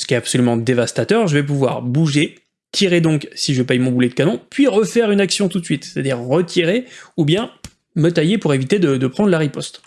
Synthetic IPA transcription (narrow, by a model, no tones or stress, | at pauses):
sə̥kʲɛapsɔlymɑ̃d̪evast̪at̪œʁʒəvɛp̬uvwa̰ʁbuʒe | t̪ʰiʁed̪ɔ̃ksiʒəpɛjmɔ̃bulɛd̪əkanɔ̃pɥiʁəfɛʁynaksjɔ̃t̪ut̪sɥit̪se̥t̪ad̪iʁːət̪ʰiʁeubjɛ̃ | mət̪ajepuʁevit̪ed̪əd̪əpχɑ̃d̪ʁlaʁipɔst̪